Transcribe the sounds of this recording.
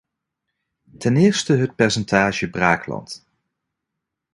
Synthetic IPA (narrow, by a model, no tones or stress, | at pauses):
tɛnɪːɹstəɦət̚pɛɹsɛntaːʒəbraːklɑ̰nt